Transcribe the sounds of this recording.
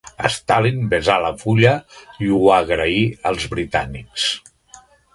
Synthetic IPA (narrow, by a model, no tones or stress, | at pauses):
ə̰st̪alinbezaləfuʎəiuaɣɾəiəlˠzβɾit̪aniks